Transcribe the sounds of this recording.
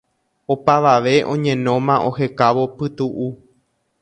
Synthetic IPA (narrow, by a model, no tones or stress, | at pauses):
opaʋaʋe̞ʔõ̞ɲẽ̞nõ̞mãʔo̞he̞kaʋo̞pɨt̪uʔu